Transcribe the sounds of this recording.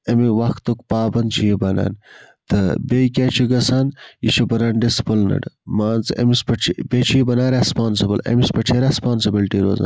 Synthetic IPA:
ɐmiʋɐxt̪ukpaːbɐnt͡ʃʰijibɐna̰ːn | t̪ʰɐbejkʲet͡ʃʰiɡɐsanjit͡ʃʰubɐnɐɳɖispɐlnɐ̰ɖmaːnt͡sɐ̰mispɐt͡ʃʰibet͡ʃʰijibɐnaːɾespaːnsibɐlɐ̰mispɐʈ͡ʂʰeɾespaːnsɐbilʈiɾo̰ːza̰ːn

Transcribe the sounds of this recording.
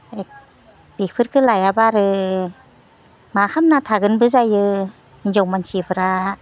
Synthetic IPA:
ek̚ | b̥ik̚pʰɯɾkʰɯlajabaɾɯ | makʰamnatʰaɡɯnbɯzajɯ | inzɔwmansipʰɯɾa

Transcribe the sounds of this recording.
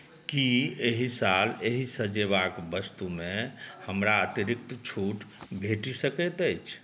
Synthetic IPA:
kieɦisaleɦisəd͡ʒeʋakbəst̪umẽhəmɾaət̪iɾɪk̚t̪t͡ʃʰuʈbʱeʈisəkɛt̪əjt͡ʃʰ

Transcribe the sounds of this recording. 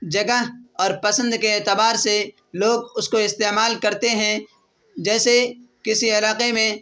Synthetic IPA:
d͡ʒɐɡəɦɔːɾpɐsə̃nd̪keːt̪ɪbaːɾse | loːɡʊskoɪst̪eːmaːlkɐɾt̪eɦɛ̃ | d͡ʒɛːsekɪsiɐlaːqemẽ

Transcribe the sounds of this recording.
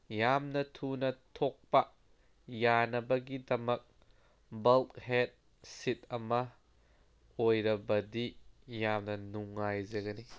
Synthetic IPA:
jamnɐtʰunɐt̪ʰɔk̚pɐ | janɐbɐɡid̪ɐmɐk̚ | bɐlkhɛt̪̚ | sit̪̚ɐmɐ | ojɾɐbɐdijamnɐnuŋːajzekɐni

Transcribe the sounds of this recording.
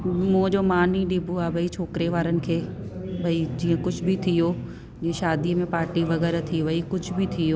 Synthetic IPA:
mũd͡ʑoːmaːniɗɪbʱuaːbʱɐit͡ɕʰoːkɾeʋaːɾənɪ̆kʰeːbʱɐid͡ʑiːə̃kʊd͡ʑʱʊbɪt̪ʰijo | d͡ʑiːə̃ʃaːd̪iəmẽpaːɾʈiʋɐɣɛːɾt̪ʰiʋɐikʊd͡ʑʱʊbɪt̪ʰijoː

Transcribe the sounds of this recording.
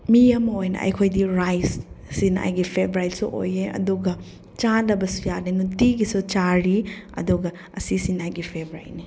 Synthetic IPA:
miɐmɐojnɐ̰ʔɐ̰jkʰojdiɾajssina̰jɡipʰebɾajtsuʔo̰jeɐ̰duɡɐ | t͡ʃalɐbɐsujanenutiɡisut͡ʃaɾiɐ̰duɡɐ | ɐsisinajɡipʰebɾa̰jni

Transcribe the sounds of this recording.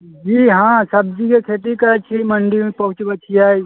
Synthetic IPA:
d͡ʒiːɦãːsɐb̚d͡ʒikekʰeʈikɐɾət͡ʃʰiməɳɖimẽpɐɦʊt͡ʃbət͡ʃʰiaːi

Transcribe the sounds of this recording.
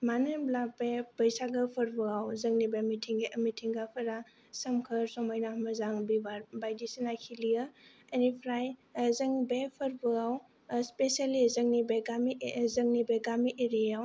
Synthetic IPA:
manɯblabebəjsaɡɯpʰɐɾbɯɡawzɐŋnibemitʰiŋɡeʔmitʰiŋɡapʰɐɾa | sɐmkʰɐɾsɔmajnamɐzaŋbibaɾbajdisinajkʰilijɯ | ɐnipʰɾajzɐŋbepʰəɾbɯɡaw | spesializɐŋnibeɡamizɐŋnibeɡamiʔeɾijaw

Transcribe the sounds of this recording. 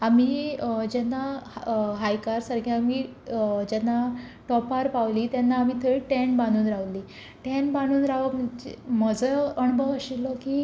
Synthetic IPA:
amiːd͡ʑɛnːa | ɦajkaɾsaɾɡʰiamiː | d͡ʑɛnːaʈɔpaɾpaʋliːt̪janːaːmiːt̪ʰəɭiʈenbaɽ̃uːnɾaʋliː | ʈenbaɽ̃uːnɾaʋəm̤əɳd͡ʑḛməd͡zəəɳ̃bʱəʋəɕilɔkiː

